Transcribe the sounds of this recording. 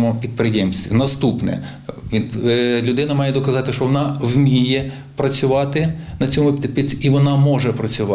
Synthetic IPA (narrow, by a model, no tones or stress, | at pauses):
mʊpʲid̪̚pɾɪjɛmsʲt̪ʋʲinɐst̪upnɛ̰ | lʲʊd̪ɪnɐmɑjɛd̪ɔkɐzɑt̪ɪʃt͡ʃɔʋɔnɑwmʲijɛ | pɾɐt͡sʲʊʋɑt̪ɪnɐt͡sʲɔmʊpʲpʲiiʋɔnɑmɔʒɛpɾɐt͡sʲʊʋɑ